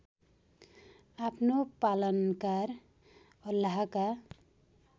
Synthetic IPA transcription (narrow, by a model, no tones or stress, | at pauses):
apnopalənkaɾ | ʌlaɦaka